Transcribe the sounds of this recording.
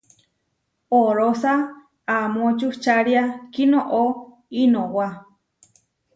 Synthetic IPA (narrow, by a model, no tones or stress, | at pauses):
oɾosa | amõt͡ʃuht͡ʃaɾiakinoʔo | inowa